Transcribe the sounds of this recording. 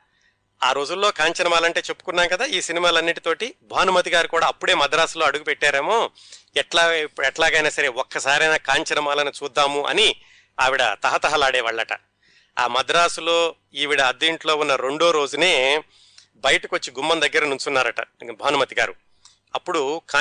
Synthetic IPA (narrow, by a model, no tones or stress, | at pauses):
aːɾo̞ːd͡ʒulːo̞ːkaːɲt͡ʃɐnɐmaːlɐɳʈe̞ːt͡ʃe̞pːu̥kunːaːŋkɐd̪aːiːsinimaːlɐnːiʈit̪o̞ːʈibʱaːnumɐt̪̬iɡaːɾukuːɽaːɐpːuɽe̞ːmɐd̪ɐɾaːsulo̞ːɐɽuɡupɛʈːaːɾe̞ːmo̞ː | ɛʈlaɛʈlaːɡɐjnaːsɐɾe̞ɔkːɐsaːɾiɐjnaːkaːɲt͡ʃɐnɐmaːlɐnit͡ʃuːd̪ːaːmuʔɐ̰ni | a̰ːʋiɽɐt̪ɐɦɐt̪ɐɦɐlaːɽɛːʋaːɭːɐʈɐ̰ | a̰ːmɐd̪ɾaːsulo̞ː | iːʋiɽɐːd̪ːiɳʈlo̞ːunːɐɾe̞ɳɖoːɾo̞ːd͡ʒune̞ː | bɐjɐʈɐkot͡ʃːiɡumːɐnd̪ɐɡːɐɾɐnuɲt͡ʃunːaːɾɐʈɐ̰bʱaːnumɐt̪iɡa̰ːɾu | ɐpːuɽukaː